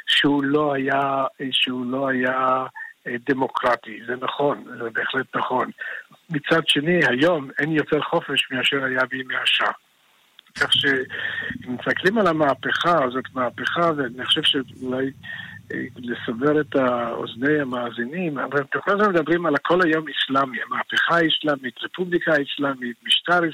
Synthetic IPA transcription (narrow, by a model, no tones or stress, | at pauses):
ʃeulo̞hajaʃeulo̞haja | d̪emo̞kʁatizenaχo̞nzɛbeːχletnaχo̞nmit͡sadʃenihajo̞menjo̞teʁχo̞feʃmiaʃeʁajabimeaʃa | kʰaχʃe | mist̪aklimalamaːpeχazo̞tmaːpeχaveaniniχoʃev̥ʃeulaj̰ | lesave̞ʁetao̰zne̞jamaːzinima̰vabt̪oχnazomed̪abʁimalkʰo̞lhajo̞mislamiamaːpeχaislamitʁepublikaislamitmiʃtaʁi